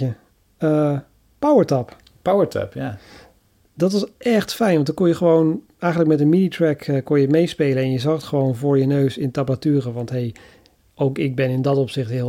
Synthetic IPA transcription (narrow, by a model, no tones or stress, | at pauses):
ə | ə | pawəɹtɑp | pawəɹtɛ̰p | dɑtʋɑsʔɛχtfɛjnʋɑndɔkɔnjəχəʋown | ɛjχənlək̚mɛtənminitɹɛkəkɔnjətmejspejlənɛnjəzɑχətχəʋownvʊːɹjənøɥsɪntabatyːrəʋɑntɦej | owkɪɡ̚bɛnɪndɑtɔpsɪχtɦɪ